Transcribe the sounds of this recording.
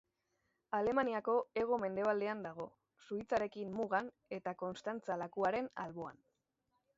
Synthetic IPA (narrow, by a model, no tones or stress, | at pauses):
ale̞maniako̞e̞ɣ̞ome̞nd̪e̞β̞ald̪e̞and̪aɣ̞o̞ | suit͡saɾe̞kimmuɣan | e̞t̪ako̞nst̪ant͡salakuaɾe̞na̰lβo̞a̰n